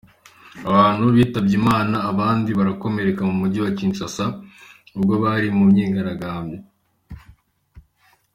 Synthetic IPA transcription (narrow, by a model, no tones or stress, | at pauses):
aβaːn̥huβiːtabɟimaːnaːβaːndiβaɾako̞me̞ɾe̞kamumuɟiwaciːnt͡ʃasa | ubɡo̞βaɾimumɲeːŋɡaɾaɡaːmbɟe